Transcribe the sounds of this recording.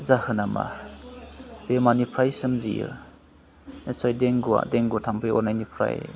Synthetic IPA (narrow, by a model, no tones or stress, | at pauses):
zahɯnama̰ | bemanipʰɾajsɯmzḭjɯ̰ | nesajdeŋɡua̰deŋɡutʰampʰɯjɔ̰ɾnajnipʰɾa̰j